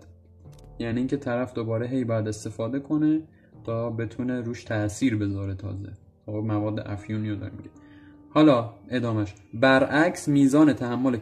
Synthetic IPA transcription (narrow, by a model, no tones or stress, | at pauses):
jæniiːŋcʰe̞t̪ʰæɾæfd̪o̞bɒːɾeɦe̞jbɒːjæd̪e̞st̪e̞fɒːd̪e̞kʰo̞ne | t̪ʰɒːbe̞t̪ʰuneɾuːʃt̪ʰæsiːɾbe̞zɒːɾet̪ʰɒ̰ːzḛ | omævɒːd̪ːḛʔæfjuːniod̪ɒ̰ɾemḭɟe | hɒːlɒːʔe̞d̪ɒːmæʃ | bæɾʔæcʰsmiːzɒːne̞t̪ʰæhæmːo̞le